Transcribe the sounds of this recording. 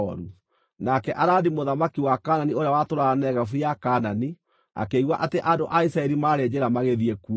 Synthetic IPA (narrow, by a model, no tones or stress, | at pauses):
ɔɾu | nakɛʔaɾaːdimoðamakiwakaːnanioɾeawatoɾaanɛɣafujakaːnani | a̰keiɣwaʔateʔandoʔaisaɛɾimaːɾed͡ʑeɾamaɣeðiɛku